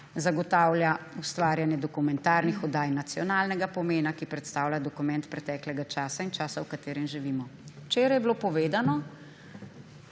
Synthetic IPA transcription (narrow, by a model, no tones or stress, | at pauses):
zaɡɔt̪aːwljaust̪ʋaːɾjanjɛd̪ɔkumɛnt̪aːɾnixɔd̪aːjnat̪sijɔnaːlnɛɡapɔmeːnakipɾɛt̪st̪aːwlʲad̪ɔkumɛ̃nt̪pɾɛt̪ɛklɛɡat͡ʃaːsaint͡ʃaːsawkat̪eːɾɛmʒiʋiːmɔwt͡ʃeːɾajɛblopɔʋeːd̪anɔ